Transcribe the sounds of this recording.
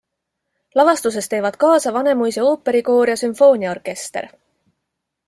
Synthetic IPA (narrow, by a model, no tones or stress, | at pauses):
lɑvɑst̪us̬e̞st̪e̞ːvɑd̪̥̚kɑːsɑvɑne̞mujseo̞ːpːˑe̞ɾiko̞ːɾjɑsymfo̞ːnʲiɑorke̞st̪e̞̰ɾ